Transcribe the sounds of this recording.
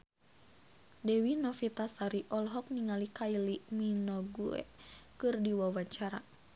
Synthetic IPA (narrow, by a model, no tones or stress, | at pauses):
dɛwinɔfit̪asaɾiʔɔlɦɔk̚niŋalikailiminɔɡuɛ̰kɨrdiwawat͡ʃaɾa̰